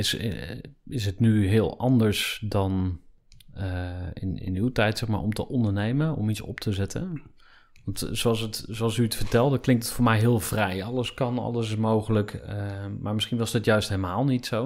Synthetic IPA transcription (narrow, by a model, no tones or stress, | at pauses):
ɪs | ɪs̬ɦətnyɦɪːlˠɑndəɹsdɑn | əɪ̰nɪ̰nywtɛjtsɛχma̰ːɹɔ̰mtəʔɔndəɹnejmənɔ̰mitsɔ̰p̚tʰəzɛtʰə̰ | ʋɑntsowɑlˠsətsowɑlˠsyətfəɹtɛlˠdəklɪŋk̚tətfʊːɹmɛjɦɪːlˠv̥rɛjɑləskɑnɑ̰ləsɪsmowχələkəmaːɹmɪsχinʋɑzdɑtjœɥstɦelmaːlˠnitsow